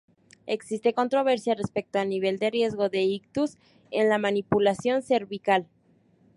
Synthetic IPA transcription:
eksist̪e̞ko̞nt̪ɾo̞β̞e̞ɾsjare̞spe̞k̚t̪oalniβ̞e̞ld̪e̞rje̞zɣo̞ðe̞ikt̪us | enlamanipulasjo̞nse̞ɾβikal

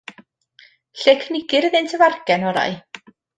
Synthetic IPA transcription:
ɬekʰnɪɡ̥ɪɾəðɪntʰəvarɡ̥ɛnɔɾa̰j

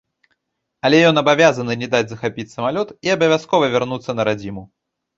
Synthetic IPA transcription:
ɐlʲɛjɔnɐbavʲazɐnɨnʲɛd̪ad͡zʲzɐxapʲit͡sʲsɐmalʲɔt̪iɐbɐvʲaskɔvɐvʲɛrnut̪sːɐnɐɾad͡zʲimu

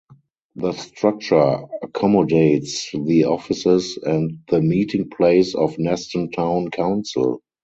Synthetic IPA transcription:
ðəstɹak̚t͡ʃə˞əkʰɔmɔdeɪtsðiɔfɪsɪsæ̃ntðəmiːtʰɪ̃ŋpʰleɪsɔfnɛstə̃ntʰãʊ̃nkʰãʊ̃nsɪ̰l

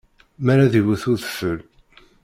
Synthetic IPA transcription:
mæɾaðiwəθʊɾθə̥fəl

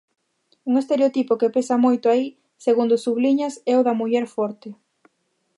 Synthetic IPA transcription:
uŋest̪eɾeot̪ipokepesɐmojt̪ʊai | seɣund̪ʊsuβliɲɐsɛʊðɐmuʎɛɾfɔɾt̪ɪ

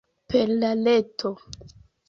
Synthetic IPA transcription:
peɾlaletʰo

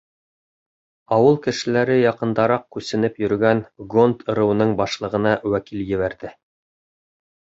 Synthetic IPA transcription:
ɑwɤlˠkɘ̆ʃɘ̆læɾɘjɑqɤ̆nd̪ɑɾɑq̚kʉsɘ̆nɘpjɵ̆ɾɡænɡont̪ʰɤ̆ɾɤ̆wɤnɤɴbɑʃlˠɤ̆ʁɤ̆nɑwækiljɘ̆βæɾðɘ

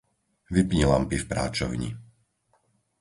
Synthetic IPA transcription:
ʋipɲilampifpɾa̰ːt͡ʃɔ̰ʊɲḭ

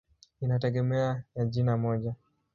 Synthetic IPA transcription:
inatɛɡɛmɛajaʄinamɔʄa

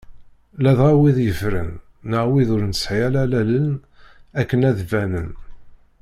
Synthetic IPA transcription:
læðʁæwiðjəfɾə̰nː | əʁwiðʊɾnsħjælælælən | ækːənæðvænən

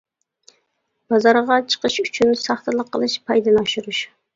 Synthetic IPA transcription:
b̥ɑzɑɾʁɑt͡ʃʰə̥qəʃyt͡ʃʰynsɑχt̪əlˠəqʰːəlˠɨʃpʰɑjd̪ɨnɑʃuɾuʃ

